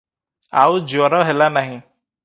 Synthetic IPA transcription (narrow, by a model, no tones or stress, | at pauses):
a̰ud͡ʒɔɾɔɦelanaɦĩ